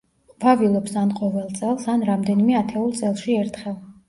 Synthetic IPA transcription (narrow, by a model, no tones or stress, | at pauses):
vavilˠɔpsanqʼɔvɛlˠt̪sʼɛlˠsanɾamd̪ɛnimɛat̪ʰɛulˠt̪sʼɛlˠʃiɛɾt̪ʰχɛlˠ